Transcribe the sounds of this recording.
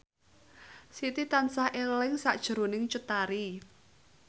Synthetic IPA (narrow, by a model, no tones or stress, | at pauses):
sit̪it̪ansahʔelɪŋsaʔd̥ʒ̥əɾonɪŋt͡ʃut̪aɾi